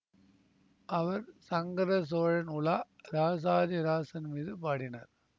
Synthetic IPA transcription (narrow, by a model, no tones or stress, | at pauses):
ʔɐʋɐɾsɐŋɡɐɾɐs̬oːɻɐnʊlaːɾaːs̬aːd͡ʒɐɾaːsɐnmiːðɯpaːɽɪnɐ̰ɾ